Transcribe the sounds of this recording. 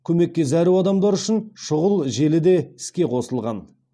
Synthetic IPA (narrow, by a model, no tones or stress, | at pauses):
kʲʰɵme̞kʲːe̞zæɾuwɑd̪ɑmd̪ɑɾʏʃɪnʃʊʁəlˠʒe̞lɪd̪e̞ɪskʲe̞qʰo̞səlˠʁɑn